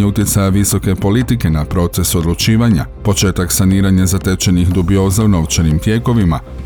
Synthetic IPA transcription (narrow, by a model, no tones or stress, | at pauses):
eut̪je̞t̪sajaʋiso̞ke̞po̞lit̪ike̞napɾo̞t̪se̞so̞d̪lˠut͡ʃiːʋaɲa̰po̞t͡ʃe̞ːt̪aksaniːɾaɲazat̪et͡ʃe̞nixd̪ubio̞ːzauno̞ʋt͡ʃenimt̪je̞ːko̞ʋima